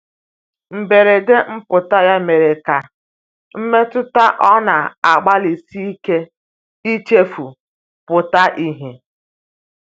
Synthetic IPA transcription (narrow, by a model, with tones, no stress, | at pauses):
m̩˨be˨ɾe˨de˦m̩˦pʊ˨ta˦ja˦me˨ɾe˨ka˨ | m̩˦me˦tʊ˦ta˦ʔɔ˦na˨a˨ɡ͡ba˦li˨si˦i˦ke˦ | i˦t͡ʃe˦fu˨ | pʊ˨ta˦ʔi˦ɦe˨